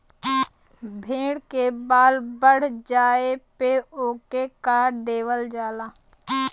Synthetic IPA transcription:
bʱẽːɽkebaːlbəɽ̤d͡ʒaːepeoːkekaːɾd̪eːʋəld͡ʒaːlaː

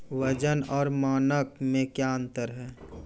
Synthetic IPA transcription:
ʋəd͡ʒənɔːɾmaːnək̚mẽkjaə̃nt̪əɾɦɛː

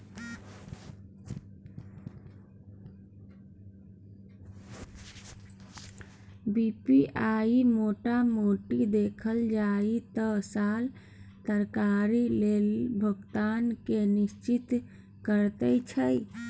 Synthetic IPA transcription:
bipiaimoʈamoʈid̪ekʰəld͡ʒait̪əsal | t̪əɾkaɾilelbʱəɡt̪ankenist͡ʃit̪ | kəɾt̪ət͡ʃʰəj

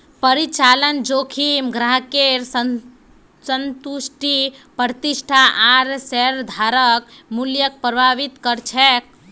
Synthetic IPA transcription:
pəɾit͡ʃalənd͡ʒokʰimɡɾaɦkeɾs | sənt̪usʈipɾt̪isʈʰaʔaɾsɛɾd̪ʱaɾək | muljək̚pɾəbʱaβit̪kəɾt͡ʃʰɛk̚

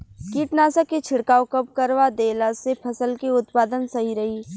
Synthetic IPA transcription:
kiːʈnaːsaket͡ʃʰɪɽkaːokɐp̚kɐɾʋad̪eːlasepʰɐsəlkiʊt̪paːd̪ənsɐɦiɾɐɦiː

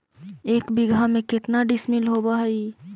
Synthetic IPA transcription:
eːkbɪɡʱamẽkɪt̪naɖɪsmɪlɦobaɦi

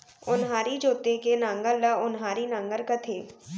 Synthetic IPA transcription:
ʊnɦaːɾid͡ʒoːt̪ekenãŋɡəɾləʊnɦaːɾinãŋɡəɾkət̪ʰeː

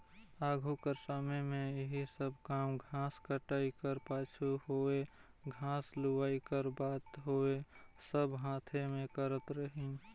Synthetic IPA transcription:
aːɡʱukəɾsamemẽɪɦisəbʱkaːmɡʱãskəʈaːikəɾpaːt͡ʃʰuhoe | ɡʱãːsluʋaːikəɾbaːt̪ɦoesəbɦãːt̪ʰemẽkəɾət̪ɾəɦĩ

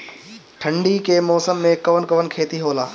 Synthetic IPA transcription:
ʈʰə̃ɳɖikemɔːsəmːẽkɐʋənkɐʋənkʰeːt̪iɦoːlaː

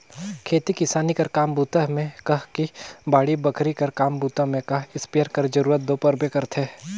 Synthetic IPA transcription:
kʰeːt̪ikɪsaːnikɐɾkaːmbuːt̪əɦmẽkɐɦkibaːɽibɐkʰɾikɐɾkaːmbuːt̪əɦmẽkɐɦɪspijəɾkɐɾd͡ʒɐɾuːɾət̪̚d̪oːpɐɾbekɐɾt̪ʰeː

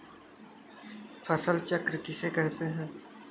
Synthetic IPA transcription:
fʰɐsəlt͡ʃɐkɾkɪsekɛɦt̪eɦɛ̃ː

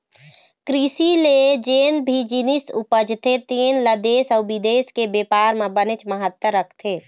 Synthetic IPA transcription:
kɾisiled͡ʒeːnbʱid͡ʒinisṵpəd͡ʒt̪ʰet̪eːnləd̪eːsɔːbid̪eːskebeːpaːɾmẽbənet͡ʃməɦət̪wəɾəkʰt̪ʰeː

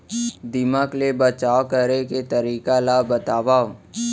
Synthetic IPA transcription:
d̪ɪmaːklebət͡ʃaːwkəɾeket̪əɾiːkalabət̪aːʋaː

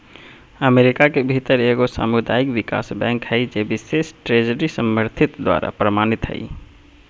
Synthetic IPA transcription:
əmeɾikakebʱit̪əɾeɡosa̰mud̪ajikʋika̰sbɛ̃ŋkɦəɪd͡ʒebisesʈɾed͡ʒəɾisəməɾt̪ʰit̪d̪wa̰ɾa̰pɾəmanit̪ɦə̰ɪ

